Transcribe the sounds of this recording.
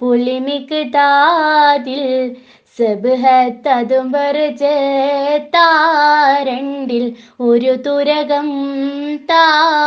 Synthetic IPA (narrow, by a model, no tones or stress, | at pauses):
pʊlɪmɪkːɯt̪aːðɪl | sɐbɯɦɐt̪ɐðɯmbɐɾɯd͡ʒɐ | t̪aːɾɛɳɖɪlɔɾɯt̪ʊɾɐɣɐmt̪aː